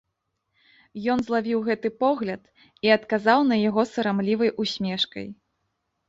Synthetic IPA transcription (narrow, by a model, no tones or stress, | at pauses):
jɔnzlˠavʲiwɣɛt̪ɨpɔɣlʲɐt̪ | iɐt̪kazawnɐjaɣɔsɐɾamlʲivɐjʔusʲmʲɛʂkɐ̰j